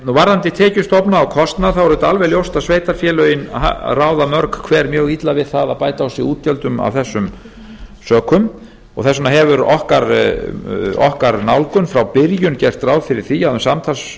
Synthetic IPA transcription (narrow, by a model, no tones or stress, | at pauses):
nuvaɾðant̪ɪt̪ʰɛːcʏst̪ɔpnaːwkʰɔst̪naθawɛɾʏt̪alvɛljowst̪asveːjt̪aɾfjɛːlœɥjɪna̰raːwðamœɾkkʰvɛːɾmjœːɣit̪lavɪðθaðaðpaːjt̪awsɛuːt̪jœlt̪ʏma̰wθɛsːʏm | sœːkʰʏm | ɔɣθɛsːʏnaɦɛvʏɾɔhkaɾ | ɔ̰hkaɾnawlkʏnfɾawpɪɾjʏncɛr̥t̪rawðfɪɾɪɾ̥θiawðʏmsamt̪ʰals